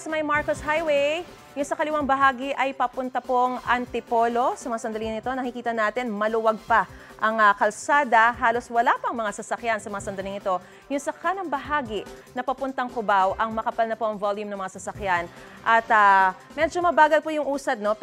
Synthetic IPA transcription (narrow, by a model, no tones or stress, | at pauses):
sɐmɐjmaɹkoshajwej | jʊŋsɐkɐlɪwaŋbɐɦaːɡɪʔɐjpɐpʊnt̪ɐpo̞ŋʔɐnt̪ɪpo̞lo̞sɐmɐŋasɐnd̪ɐliŋnɪt̪o̞nɐŋkɪkiːt̪ɐnaːt̪ɪnmɐlʊwɐɡ̚pɐ | ʔɐŋɐkɐlsaːd̪ɐɦaːlo̞swɐlapɐŋmɐŋasɐsɐkjansɐmɐŋasɐnd̪ɐlɪŋɪt̪o̞ | jʊŋsɐkʰanɐŋbɐɦaːɡɪnɐpɐpʊnt̪ɐŋkʊbawʔɐŋmɐkɐpɐlnɐpo̞ʔɐŋvoljʊmnɐŋmɐŋasɐsɐkjan | ʔɐt̪ɐ | mɛd͡ʒomɐbaːɡɐlpojʊŋʔuːsɐd̪̚no̞